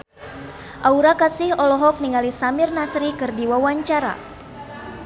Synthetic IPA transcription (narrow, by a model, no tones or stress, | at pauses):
ʔauɾakasihɔlɔɦɔk̚niŋalisamirnasɾikɨrdiwawaɲt͡ʃaɾa̰